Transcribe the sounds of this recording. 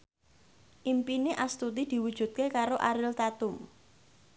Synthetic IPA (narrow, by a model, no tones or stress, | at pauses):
ʔimpineʔast̪ut̪̬id̪̥i̤wud̥ʒ̥ṳt̪̚kekaɾoʔaɾɪlt̪at̪ʊm